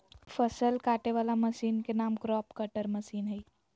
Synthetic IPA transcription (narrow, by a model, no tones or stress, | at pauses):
fəsəlkaʈeʋalaməsiːnkenaːmkɾɔːpkəʈəɾməsiːnɦəj